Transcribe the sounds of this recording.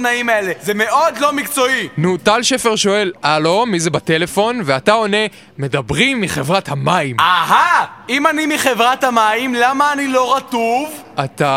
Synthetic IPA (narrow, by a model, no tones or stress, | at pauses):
naimaelezemeʔo̞d̪lo̞mikt͡so̞inutalʃe̞feʁʃo̞e̞lalo̞mːizebate̞le̞fo̞nveatao̞ne̞ | me̞dabʁimːiχe̞vʁathamaimaɦaimanimiχe̞vʁathamaimlamaːnilo̞ʁatuv | at̪a